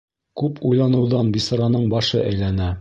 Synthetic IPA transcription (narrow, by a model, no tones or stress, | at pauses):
kʉpʰujlˠɑnɤ̆wðɑnbisɤ̆ɾɑnɤɴbɑʃɤ̰ʔæjlænæ